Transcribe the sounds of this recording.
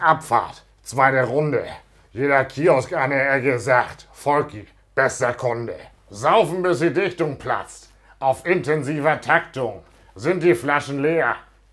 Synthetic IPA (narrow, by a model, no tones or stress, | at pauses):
ʔapfa̰ːɐt | t͡sv̥aɪtəʁʊndə̰ | jeːɾɐkʰiːɔskaɪnɛɐɛkəzaːxtfɔlk | b̥ɛsɐkʰɔndə̰ | zaʊfn̩bɪsd̥iːdɪçtʊŋpʰla̰t͡st | ʔaʊfɪntʰɛnziːvɐtʰaktʊŋ | zɪnt̚d̥iːflaʃn̩leːɐ